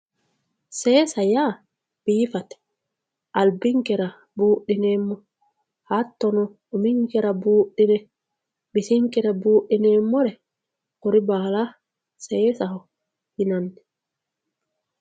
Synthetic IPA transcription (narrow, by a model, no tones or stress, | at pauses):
sɛsaja | b̥iːfatɛ̥ | ʔalbiŋkɛɾa | buːɗinɛmːɔ | hatːɔnɔː | miŋkɛɾabuːɗinɛ | bisiŋkiɾabuːɗinɛmːɔɾɛ | koɾibaːla | sɛːsahɔ | hinandɛ